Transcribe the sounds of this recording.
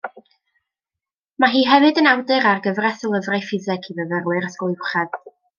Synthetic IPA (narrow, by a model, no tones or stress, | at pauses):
maɦiːɦɛvɨdənawdɨɾarɡəvrɛθəlˠəvrajfɪzɪkʰivəvərwɨɾəθɡlˠɪwχad̥